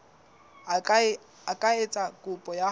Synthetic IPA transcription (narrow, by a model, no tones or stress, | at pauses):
akʼaet͡sʼakʼʊpʼɔja